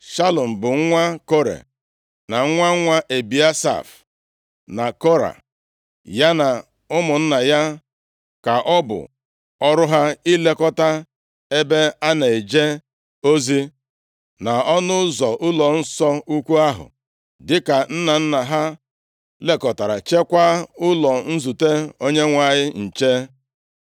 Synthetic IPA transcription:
ʃa˦lɔ˨m̩˨bʊ˨ŋ˦ŋʷa˦ko˦ɾḛ˨ | na˨ŋ̩˦ŋʷa˦ŋʷa˦ʔe˨bi˨a˦sa̰˨f | na˨kɔ˦ɾa̰˨ | ja˦na˨ | ʊ˦mʊ˨n̩˦na˨ja˦ | ka˨ʔɔ˦bʊ̰˨ | ɔ˦ɾʊ˦ɦa˦i˦le˦kɔ˦ta˦ | e˦be˦a˦ne˨e˨d͡ʒe˦ | o˦zi˦ | na˨ɔ˦nʊ˦zɔ˨ʔʊ˦lɔ˨n̩˦sɔ˦u˦kʷu˦a˦ɦʊ̰˨ | dɪ˦ka˨n̩˦na˨n̩˦na˨ɦa˦ | le˦kɔ˨ta˨ɾa˨t͡ʃe˦kʷa˦ʊ˦lɔ˨n̩˦zu˨te˦o˦ɲe˦ŋʷa˨ɲɪ˦n̩˨t͡ʃe˦

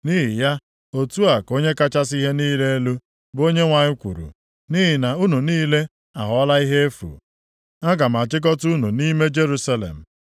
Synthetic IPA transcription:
ni˦ɦi˨ja˦ | o˨tu˦a˨ko˦ɲe˦ka˦t͡ʃa˦s̬i˦ɦe˦niː˦le˦e˦lu˦ | bo˦ɲe˦ŋʷa˨ɲɪ˦kʷṵ˨ɾṵ˨ | ni˦ɦi˨na˨u˦nu˨niː˦le˦ | a˨ɦɔ˦la˦i˦ɦe˦e˦fṵ˨ | a˦ɡa˨m̩˨a˨t͡ʃɪ˦k̬ɔ˦tu˦nu˨ni˦me˦d͡ʒe˦ɾu˦sa˦lḛ˨m̩˨

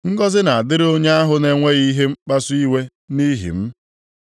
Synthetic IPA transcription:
ŋ̩˦ɡɔ˦zɪ˦na˨a˨dɪ˦ɾo˦ɲe˦a˦ɦʊ˨˦ne˦ŋʷe˦ɣi˦ɦe˦ŋ͡m̩˦k͡pa˦su˦i˦we˦ | ni˦ɦḭ˨m̩˦

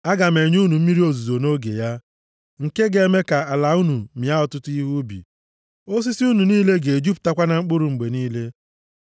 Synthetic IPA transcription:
a˦ɡa˨me˨ɲu˦nu˨m̩˦mi˦ɾi˦o˨zu˨zo˨no˦ɡḛ˨ja˦ | ŋ̩˨ke˦ɡe˨˦me˦ka˨a˨la˨˦u˦nu˨mi˨a˦ɔ˨tʊ˦ti˦ɦu˦bḭ˨ | o˦s̬i˦si˦u˦nu˨niː˦le˦ɡe˨d͡ʒu˦pta˦kʷa˦na˨ŋ͡m̩˦k͡pʊ˦ɾʊ˨ŋ͡m̩˨ɡ͡be˨niː˦le˦

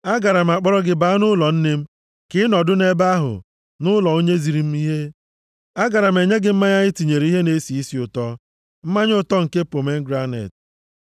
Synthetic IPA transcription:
a˦ɡa˨ɾa˨m̩˨a˨k͡pɔ˦ɾɔ˦ɡɪ˨ba˦nʊ˦lɔ˨n̩˦ne˦m̩˦ | kɪ˦nɔ˨dʊ˦ne˦ba˦ɦʊ̰˨ | nʊ˦lɔ˨o˦ɲe˦zi˨ɾi˨˦m̩˦i˦ɦe˦ | a˦ɡa˨ɾa˨m̩˨e˨ɲe˦ɡɪ˨m̩˦ma˦ɲa˦ɲɪ˦ti˨ɲe˨ɾe˨˦i˦ɦe˦ne˦si˨i˦si˨ʊ˨tɔ˦ | m̩˦ma˦ɲ˦ʊ˦tɔ˦ŋ̩˨ke˦po˨me˦ŋ̩˦ɡɾa˦nḛ˨t

